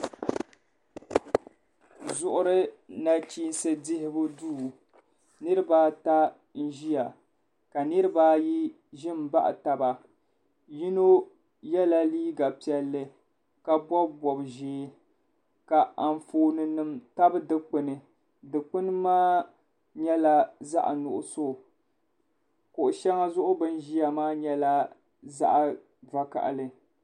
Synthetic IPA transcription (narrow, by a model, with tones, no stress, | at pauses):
zʊ˨ʔʊ˦ɾɨ˦na˨t͡ʃiː˦n˦sɨ˦dɪ˦hɪ˦bʊ˦duː˦˨ | nɨ˦ɾɨ˦baː˦ta˦ | n̩˦ʒi˦ja˨ | ka˨nɨ˦ɾɨ˦ba˦ji˦ | ʒɪ˦m˨ba˦ʔa̰˨ta˨ba˨ | ji˦no˦ | jɛ˦la˦liː˦ɡa˨pi˨ɛ˦lːɨ˦ | ka˨bɔ˦bbɔ˨bʒeː˦ | ka˨a˨ɱ˨foː˨nɨ˨nɨ˨mta˦bɨ˦dɨ˦k͡pɨ˨nɨ˨ | dɨ˨k͡pɨ˦nɨ˦maː˦ | ɲɛ˦la˦za̰˦ʔa˨nʊ˨ʔʊ̰˨so˦˨ | kʊ˨ʔʊ˨ʃɛ˦ŋa˦zʊ˦ʔʊ˦bɨ˦nʒi˦ja˨maː˦ɲɛ˦la˦ | za̰˦ʔa˨ | va˨ka̰˨ʔlɨ˨